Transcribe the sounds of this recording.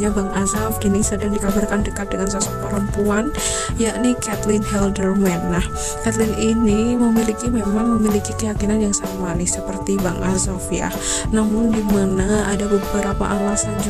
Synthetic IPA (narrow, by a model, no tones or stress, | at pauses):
ɲabaŋazafɡinisədaŋdikabarkandəkat̪̚dəŋansasɔpəɾəmpuan | jaʔnikɛt̪lɪnhɛldərmɛnːah | kɛt̪lɪniniməmilikimemaŋməmilikikəjakinanjaŋsaɾaŋmanɪsəpərt̪ibaŋʔazɔfja̰ | namʊndimanaadabəbəɾapa̰ʔalasad͡ʒ